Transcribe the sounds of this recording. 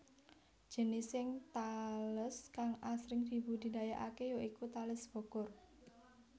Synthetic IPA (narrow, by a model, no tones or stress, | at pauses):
d͡ʒ̥ənisɪŋt̪aləskaŋʔasɾɪŋd̪̥i̤bud̪̥i̤dajaʔakejoikut̪alɪsb̥o̤ɡ̥ʊr